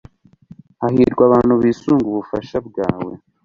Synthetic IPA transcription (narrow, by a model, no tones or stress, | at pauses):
hahiːɾɡwaβaːn̥huβiːsuːŋɡuβufaʃabɡa̰ːwḛ